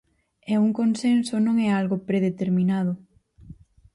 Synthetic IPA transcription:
ɛuŋkonsensonõŋɛalɣopɾeðet̪eɾminað̞ʊ

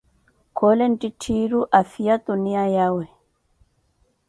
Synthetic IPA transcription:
kʰolɛntitʰiɾuʔafijat̪unijajawɛ

